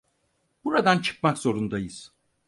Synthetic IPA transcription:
b̥uɾad̪ant͡ʃʰɯ̥k̚makz̥o̞ɾund̪ajɯz̥

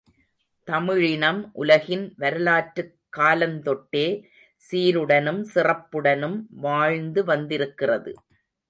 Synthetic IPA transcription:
t̪ɐmɪɻɪnɐmʔʊlɐɣɪnʋɐɾɯlaːʈːɯkːaːlɐnt̪ɔʈːeː | siːɾɯɽɐnɯmsɪrɐpːɯɽɐnɯmʋaːɻnd̪ɯʋɐnd̪ɪɾɯkːɪrɐðɯ̰

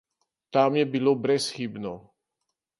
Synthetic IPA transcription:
t̪amjɛbilobɾɛsxiːbnɔ

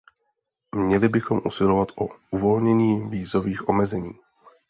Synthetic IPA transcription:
mɲɛlɪbɪxo̞mʔusɪlovat̪ʔouvo̞lɲɛɲiːviːzo̞viːxʔo̞mɛzɛɲiː

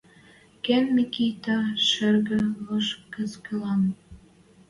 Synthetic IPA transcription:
kenmikit̪ɑʃerɣə̆lɤʃkə̆skə̆lɑn

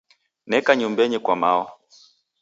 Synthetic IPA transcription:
nɛkaɲumbɛɲɛkwamaɔ

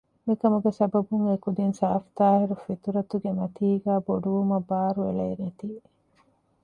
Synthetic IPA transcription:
mikɐmuɡesɐbɐbuŋekud̪insaːft̪aːhiɾufit̪uɾɐt̪uɡemɐt̪iːɡæːboɖuʋumɐbaːɾuelɐːnet̪iː

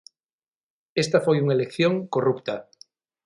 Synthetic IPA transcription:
est̪afojuŋaelekθjõŋkorupt̪a

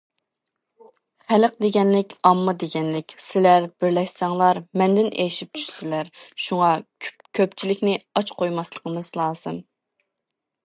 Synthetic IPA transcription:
χæləq̚d̪eɡʲɛnlɪkʲɑmːɨd̪eɡʲɛnlɪkʲsɪlæɾb̥ɪɾlɛkʲsɑŋlˠɑɾmɛnd̪ɪnejʃip̚t͡ʃʰy̥ʃsɪlæɾʃuŋɑ | kʲʰøpt͡ʃʰilɪkʲnɪɑt͡ʃqʰojmɑslˠəqʰəmɨzlˠɑːz̥ɨm

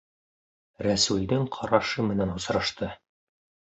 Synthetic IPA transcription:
ɾæsʉld̪ɘŋqʰɑɾɑʃɤmɘ̆nænŏsɾɤ̆ʃt̪ɤ

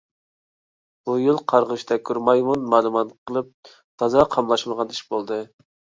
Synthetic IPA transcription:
b̥ujilˠqʰɑɾʁəʃt̪ʰɛkʰʲːyɾmɑjmunmɑːlˠumɑt̪qʰəlˠɨp̚ | t̪ʰɑzɑqʰɑmlˠɑʃmɨʁɑniʃbolˠd̪ɨ

